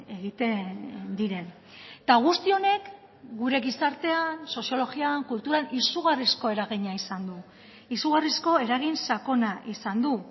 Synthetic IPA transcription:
e̞ɣ̞it̪e̞nnd̪iɾe̞n | t̪aɣ̞ust̪io̞ne̞k | ɡuɾe̞ɣisaɾt̪e̞anso̞sio̞lo̞ɣiaŋkult̪uɾanisuɣarisko̞e̞ɾaɣ̞iɲaisand̪u | isuɣarisko̞e̞ɾaɣinsako̞naʔisand̪u

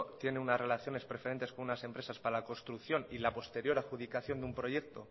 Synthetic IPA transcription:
t̪je̞neunazre̞laθjo̞ne̞spɾe̞fe̞ɾe̞nt̪e̞sko̞nunase̞mpɾe̞saspaɾalako̞st̪ɾuθjo̞nilapo̞st̪e̞ɾjo̞ɾaxuðikaθjo̞nd̪umpɾo̞je̞k̚t̪o̞

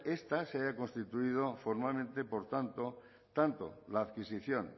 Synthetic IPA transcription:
est̪aseaʝako̞nst̪it̪uið̞ofoɾmalmẽnt̪epoɾt̪ant̪o | t̪ant̪o̰laːðkisiθjõn

